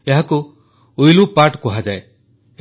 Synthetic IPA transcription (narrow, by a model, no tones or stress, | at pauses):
eɦaku | ujlupaɾʈkuɦad͡ʒae